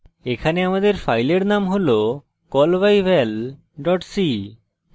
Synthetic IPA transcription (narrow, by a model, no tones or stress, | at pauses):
ekʰaneamad̪eɾfajleɾnamɦolo | kɔlbajbel | ɖɔʈsi